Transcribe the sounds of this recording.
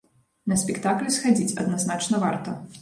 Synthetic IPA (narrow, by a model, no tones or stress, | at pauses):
nɐsʲpʲɛkt̪aklʲusxad͡zʲit͡sʲɐ̰d̪naznat͡ʂnɐva̰rt̪ɐ